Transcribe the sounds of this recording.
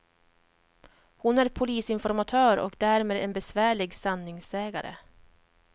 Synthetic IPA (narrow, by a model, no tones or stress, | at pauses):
hʊnæɾpʰʊliːsɪnfɔɾmat̪ʰœːɾɔ̰kd̪æːɾmeːd̪ɛnbɛsvæːɭɪɡsanːɪŋsɛːɡaɾə̰